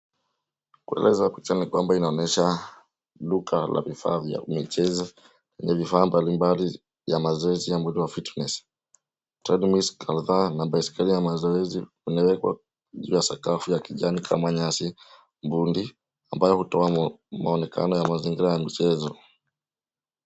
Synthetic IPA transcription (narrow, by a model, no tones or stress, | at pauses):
kuɛ̰lʔɛzakit͡ʃanikwambainaɔnɛʃa | ɗukʰala̰vifa̰ːvja̰mit͡ʃɛza | lɛɲɛvifaːmbalimbali | jamazɔɛzijambundiwafitnɛs | tɾɛdmiskʰalðanaɓaiskalijamazɔɛzi | unawɛkwa̰ | ʄṵːjasakafujakiʄanikʰa̰maɲasi | mbundi | ambajɔhutɔamaɔnɛka̰nɔjamaziŋɡiɾajamit͡ʃɛzɔ